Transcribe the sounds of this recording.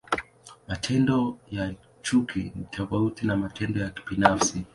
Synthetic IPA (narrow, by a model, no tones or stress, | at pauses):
matʰɛndɔja | t͡ʃukinitʰɔfautinamatʰɛndɔjaki̥binafsi